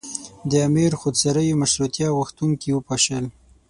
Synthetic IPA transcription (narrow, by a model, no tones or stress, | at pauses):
d̪əamiɾxod̪saɾəjomaʃɾut̪jɑwəxt̪uŋkiwəpɑʃəl